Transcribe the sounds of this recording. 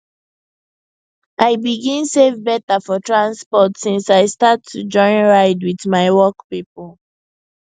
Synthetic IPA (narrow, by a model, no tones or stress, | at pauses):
ʔaɪbiɡĩnsevbɛtafɔtʰɹãnspɔtsĩnsaɪstatʰːud͡ʒɔ̃ɪ̃nɹaɪdwiθmaɪwɔkpipɔl